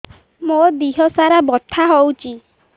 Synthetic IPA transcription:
mod̪iɦɔsaɾabɔt̪ʰaɦowt͡ʃʰi

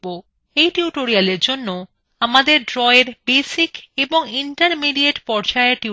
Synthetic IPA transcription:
o | ejʈiuʈoɾialeɾd͡ʑonːo | amad̪eɾɖɾɔeɾbesikeboŋiɳʈaɾmiɖieʈpɔɾd͡ʑaeʈi

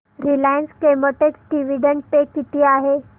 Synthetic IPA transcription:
ɾilaːjənskemoʈeksɖiʋiɖəɳɖ̚pekit̪iaːɦe

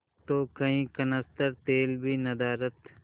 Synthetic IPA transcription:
t̪oːkɐɦĩːkənəst̪əɾt̪eːlbʱiːnɐd̪aːɾət̪

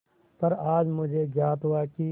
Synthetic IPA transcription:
pɐɾaːd͡ʒmʊd͡ʒʱeːɡjaːt̪ɦuaːkiː

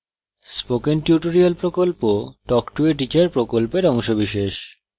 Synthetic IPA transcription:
spokenʈjuʈoɾialpɾokolpoʈɔkʈueʈ̬it͡ɕeɾpɾokolpeɾɔŋʃobiʃeʃ

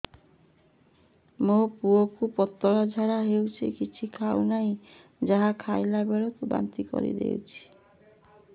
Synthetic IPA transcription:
mopuokupɔt̪ːɔɾad͡ʒʱaɾaɦewt͡ʃʰḭkit͡ʃʰikʰawnaj | d͡ʒaɦakʰajlabeɾɔt̪uba̰nt̪ikɔ̰ɾḭd̪ḛwt͡ʃʰi̥

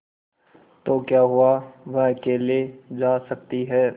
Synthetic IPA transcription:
t̪oːkjaːɦʊaʋɐɦkeːlied͡ʒaːsɐk̚t̪iɦɛː

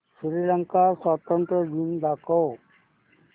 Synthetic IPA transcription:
sɾiːləŋkaswaːt̪ənt̪ɾəd͡ʒind̪aːkoː

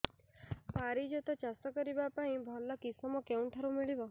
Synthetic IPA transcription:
paɾid͡ʒɔt̪ɔt͡ʃast̪ɔkɔɾibapaĩbʱɔlːɔkisɔmɔkeũʈʰaɾumiɭibɔ

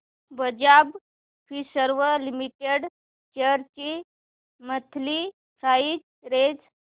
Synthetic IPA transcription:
bəd͡ʑab | fʰisəɾʋəlimiʈeɽ | t͡ɕəɾt͡ɕi | mət̪ʰli | kʰaid͡ʑ | ɾed͡z

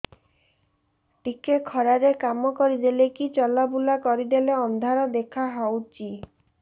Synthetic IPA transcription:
ʈikekʰɔɾaɾekamɔkɔɾid̪elekit͡ʃɔlabulakɔɾid̪eleɔnd̪ʱaɾɔd̪ekʰaɦawt͡ʃi

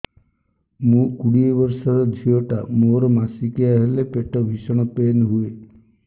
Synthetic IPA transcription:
mũkuɽiebɔɾsɔɾɔd͡ʒʱiɔʈamoɾɔmasikiaɦelepeʈɔbʱisɔɽ̃ɔpenɦue

